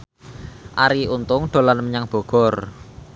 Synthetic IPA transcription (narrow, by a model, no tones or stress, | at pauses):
ʔaɾiunt̪ʊŋɖ̪̥o̤lanəmɲaŋb̥ɔ̤ɡ̥ɔ̤r